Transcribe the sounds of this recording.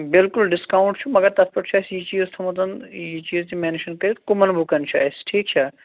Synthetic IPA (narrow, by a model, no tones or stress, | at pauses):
bɪlkʊlɖɪskawɳʈt͡ʃʰumɐɡɐɾt̪ɐt̪pɐʈt͡ʃʰasjit͡ʃiːzt̪ʰɐmut̪̬ɐnjit͡ʃiːzt̪imeːnʃɐnkɐɾit̪kʊmɐnbʱukɐnt͡ʃʰaɐsʈʰiːk̚t͡ʃʰa